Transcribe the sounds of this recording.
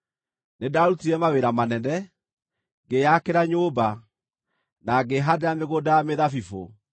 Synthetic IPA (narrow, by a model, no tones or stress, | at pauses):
nedaɾutiɾɛmaweɾamanɛnɛ | ɡejakeɾaɲoːba | naɡeɦadeameɣodajameðafifo̰